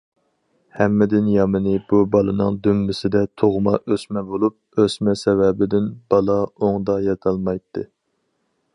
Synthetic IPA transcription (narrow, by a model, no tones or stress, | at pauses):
hɛmːɪd̪ɪnjɑmɨnɨbubɑlˠɨnɨŋd̪ymːɪsɪd̪ɛt̪ʰoʁmɑʔøsmɛbolˠup̚øsmɛsɛvɛbɪd̪ɪnb̥ɑlˠɑoŋd̪ɑjɑt̪ʰɑlˠmɑjt̪ʰːɨ